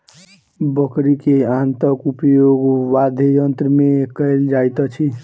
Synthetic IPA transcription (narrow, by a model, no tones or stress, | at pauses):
bʌkɾikeant̪ʌkupjoɡwad̪ʱejʌnt̪ɾmekəjld͡ʒajt̪ʌt͡ʃʰi